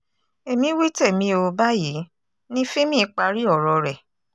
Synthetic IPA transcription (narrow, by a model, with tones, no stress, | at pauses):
e˨mĩ˧˦wi˦te˦˨mĩ˧o˧ba˦ji˨˦ | nĩ˦fĩ˦mĩ˦˨˧k͡pa˧ɾi˦ɔ˦˨ɾɔ˧ɾɛ˨